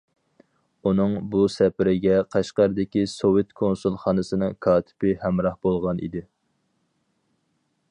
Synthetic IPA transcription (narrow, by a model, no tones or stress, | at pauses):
unɨŋbusɛpɪɾɪɡʲɛqʰɑʃqɑɾɨd̪ɪkʲisowɪt̪kʰonsulˠχɑːnɨsɨnɨŋkʰɑːt̪ʰɪ̥pɪhɛmɾɑhbolˠʁɑnʔḭd̪ɪ